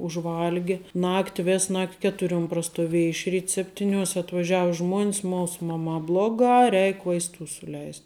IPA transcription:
ʊʒˈʋɐlʲɡʲɪ ˈnɑːktʲɪ ˈʋʲeːs ˈnɐktʲ ˈkʲæːtʊrʲuɔm prɐstʊˈʋʲiɛjɛ ɪʃ ˈrʲiːt ˈsʲæːpʲtʲɪˌnʲoːsʲ ɐtʋɐˈʒʲæːʋɐ ˈʒmuɔnʲs ˈmuːs ˈmɑːmɑː ˈblˠoːɡɑː ˈrʲɛɪk ʋɐɪsˈtuː sʊˈlʲɛɪsʲtʲ

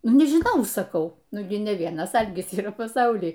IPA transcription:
ˈnʊ nʲɛʒʲɪˈnɐʊ sɐˈkɐʊ ˈnʊ ɡʲɪ nʲɛ ˈʋʲiɛnɐs ˈɐlʲɡʲɪs iːˈrɐ pɐˈsɐʊlʲiː

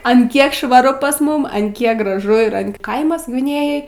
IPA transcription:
ɐn ˈkʲiɛk ʃʋɐˈrʊ pɐs ˈmʊm ɐn ˈkʲiɛk ɡrɐˈʒʊ ɪr ɐn ˈkɐɪmɐs ɡʋʲɪˈnʲeːjoːj

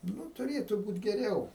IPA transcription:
ˈnʊ tʊˈrʲeːtʊ ˈbuːtʲ ɡʲɛˈrʲɛʊ

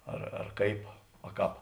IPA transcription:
ɐr ɐr ˈkɐɪp ɐ ˈkɑːp

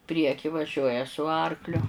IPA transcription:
ˈpʲrʲiɛkʲiː ʋɐˈʒʲuɔjɛ sʊ ˈɐrklʲʊ

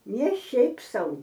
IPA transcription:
nʲɛ ˈʃʲɛɪp ˈsɐʊ

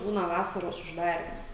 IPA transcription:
ˈbuːnɐ ˈʋɑːsɐroːs ʊʒˈdɑːrʲiːmɐs

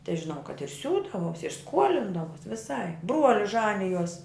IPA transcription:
tɐɪ ʒʲɪˈnɐʊ kɐt ɪr ˈsʲuːdɐʋoːs ɪr ˈskuɔlʲɪndɐʋoːs ʋʲɪˈsɐɪp ˈbruɔlʲɪs ˈʒɑːnʲɪjoːs

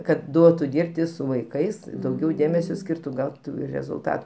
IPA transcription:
kɐt ˈduɔtʊ ˈdʲiːrʲpʲtʲɪ sʊ ʋɐɪˈkɐɪs ɪ dɐʊˈɡʲɛʊ ˈdʲeːmʲɛsʲoː ˈsʲkʲiːrtʊ ˈɡɐʊtʊ rʲɛzʊlˠˈtɐt

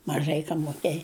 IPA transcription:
mɐˈʒɐɪ ˈkɐm moːˈkʲeːj

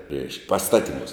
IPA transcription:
rʲɛɪʃk pɐsˈtɑːtʲɪˌmuːs

